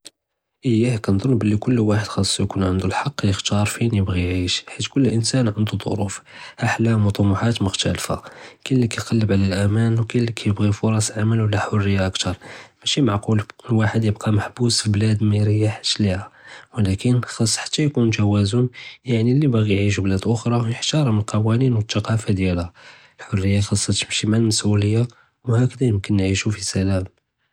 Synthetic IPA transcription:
ʔəjːæhkænd̪ˤolːbəlːikʊlːwaħəd̪xɑsˤːjkunʕənd̪ulħɑqːjəxt̪ɑɾˤfinjəbɣiʕiʃħit̪kʊlːʔənsænʕənd̪ud̪ˤo̰ɾufʔaħlæmut̪ˤɑmʊħat̪mʊxt̪ælfa̰kilːikæjqɑlːəbʕlælʔæmænwkilːikʰæjəbɣifuɾˤɑsʕaməlwəlːæħʊrːəjːaʔəkt̪ʰɑɾˤmæʃimaʕqulwaħəd̪jəb̚qɑməħbusfilblæd̪miɾəjːaħʃlihawlækənxɑsˤːħḁt̪ːæjkunt̪æwæzʊnjaʕnilːibæɣijʕiʃ̬ublæd̪ʔʊxɾˤɑjəħt̪ɑɾˤɑmənlqɑwæninwət̪ːɑqɑfad̪jælhæ | lħorːəjːaxɑsˤːɑt̪əmʃimalməsʔuləjːa | whækəd̪æjəmkənːʕiʃufisælæm

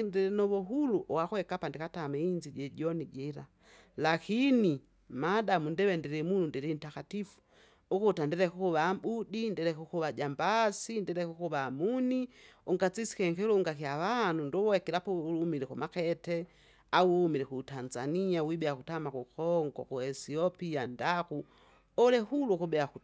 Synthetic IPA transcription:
indɛɾɛnɔβɔɦuluʔɔwakwɛkapandikataːmɛind͡ʒiɟɛɟɔnid͡ʒɛɾa | lakini | madamundɛwɛndiɾɛmunundɛɾin̩takatifu̥ | ukutandɛɾɛkukuβaːbudindɛɾɛkukuβaɟambasindɛɾɛkukuβaːmuniuŋɡat͡sisi̥kɛŋkɛluŋɡakiawanundɔwɔɛkilapɔwulumilɛkumakɛtɛ | awuhumiɾɛkuːtanzaniawibɛakutamakukɔŋɡɔ̰kuɛsiɔpiandaku | ɔlɛhulukubɛaku

